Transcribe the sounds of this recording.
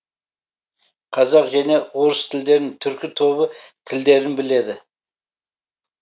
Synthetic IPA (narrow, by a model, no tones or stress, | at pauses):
qʰɑzɑqʒæne̞woɾəst̪ʰɪld̪e̞ɾnɪŋt̪ʰʏɾkʲɪt̪ʰo̞βət̪ʰɪld̪e̞ɾɪnbɪle̞d̪ɪ